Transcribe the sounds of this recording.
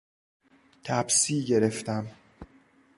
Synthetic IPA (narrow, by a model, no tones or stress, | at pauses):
t̪ʰæbsiːɟe̞ɾeft̪æm